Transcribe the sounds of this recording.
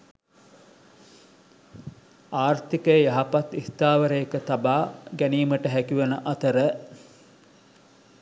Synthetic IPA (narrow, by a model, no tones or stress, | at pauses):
aːrt̪ikəjəjɐɦapat̪ːiht̪aːʋəɾejːkət̪abaːɡæniːməʈəɦækiʋenəʔɐt̪əɾə